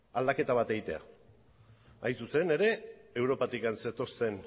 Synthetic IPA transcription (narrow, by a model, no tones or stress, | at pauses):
ald̪ake̞t̪aβat̪e̞ɣit̪e̞a̰ | a̰jnsuse̞ne̞ɾe̞ewɾo̞pat̪ikanset̪o̞st̪e̞n